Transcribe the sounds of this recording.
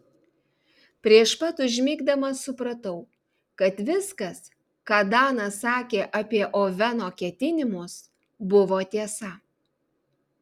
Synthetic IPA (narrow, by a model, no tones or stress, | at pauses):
pʲɾʲiɛʃpɐt̪ʊʒʲmʲiːɡd̪ɐmɐsʊpɾɐt̪ɐʊ | kɐt̪ʋʲɪskɐs | kɑːd̪ɑːnɐsɑːkʲeːʔɐpʲiɛʔoːʋʲɛnoːkʲɛt̪ʲɪnʲɪmʊs | bʊʋoːt̪ʲiɛsɐ